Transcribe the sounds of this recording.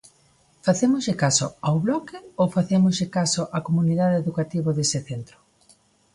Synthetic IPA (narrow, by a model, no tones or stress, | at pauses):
faθemʊzʎɪkaso̰awβlɔkɪowfaθemʊzʎɪkasoʔakomuniðaðɪeðukat̪iβ̞oðesɪθent̪ɾʊ̥